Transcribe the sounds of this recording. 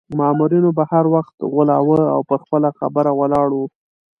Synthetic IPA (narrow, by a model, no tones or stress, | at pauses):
mamuɾinobahaɾwaxt̪ɣʊlɑwəawpəɾxpəlaxa̰bəɾawəlɑɽu